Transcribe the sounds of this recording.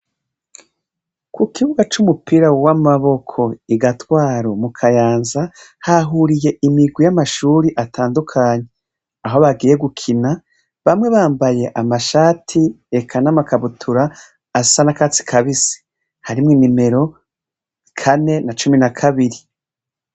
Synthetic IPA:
kukiβuɡat͡ʃumupiɾawamaβo̞kʰo̞iɡatwaːɾomukʰajaːnzahaɦuɾije̞ʔimiɡwijamaʃuːɾiʔatʰaːndukʰaːɲe̞ | aɦo̞βaɡiːje̞ɡukʰina | βamŋe̞βaːmbaje̞ʔamaʃaːtʰi | ekʰanamakaβutʰuɾaː | sanakat͡si̥kʰaβisi̥ | haɾimŋinime̞ɾo̞ | kʰane̞nat͡ʃuminakʰaβiɾi

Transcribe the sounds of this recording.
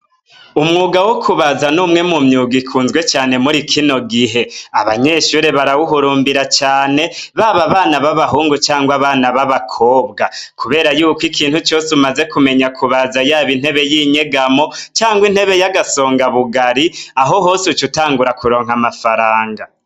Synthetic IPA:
umŋuːɡawokʰuβazanuːmŋe̞mumɲuːɡikʰuːnzɡwe̞t͡ʃaːne̞muɾikʰino̞ɡiɦe̞aβaɲe̞ʃuɾe̞βaɾawuɦuɾuːmbiɾat͡ʃaːne̞βaβaβaːnaβaβaɦuːŋɡut͡ʃaːŋɡwaβaːnaβaβakʰo̞ːbɡakʰuβe̞ːɾajuːkwikʰiːnhut͡ʃo̞ːsumaze̞kume̞ɲakʰuβazajaːβin̥he̞βe̞jiːɲe̞ɡamo̞t͡ʃaːŋɡwin̥he̞βe̞jaɡaso̞ːŋɡaβuɡaɾiaɦo̞ɦo̞ːseut͡ʃutaːŋɡuɾakuɾo̞ːŋɦamafaɾaːŋɡa

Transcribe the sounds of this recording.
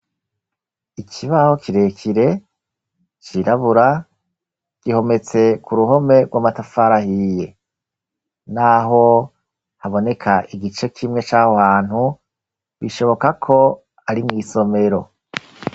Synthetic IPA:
ikʰiβaho̞ciɾe̞kʰiɾe̞ | t͡ʃiɾaβuɾa | ɡ̥iho̞me̞t͡se̞kuɾuɦo̞me̞ɡwamatafaɾahije̞ | naɦo̞ | haβo̞ne̞kʰaʔiɡit͡ʃe̞kʰimŋe̞t͡ʃahohaːn̥hu | βiʃo̞βo̞kakʰo̞ | aɾimŋiːso̞me̞ɾo̞

